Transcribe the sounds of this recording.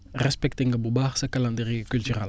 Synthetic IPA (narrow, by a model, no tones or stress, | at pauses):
rɛspɛkt̪ĩŋəbubaʁsəkalãnd̪əɾiəkylt̪yʁal